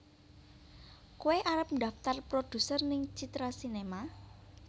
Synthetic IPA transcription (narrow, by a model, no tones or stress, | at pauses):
kuweʔaɾəp̚nda̤ft̪arpɾod̪̥ṳsərnɪŋt͡ʃit̪ɾasinema